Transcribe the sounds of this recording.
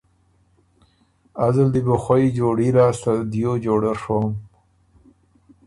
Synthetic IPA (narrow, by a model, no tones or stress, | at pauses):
azəld̪ibəxwaid͡ʒoɽiɾɑːst̪ad̪jod͡ʒoːɽaɾʂom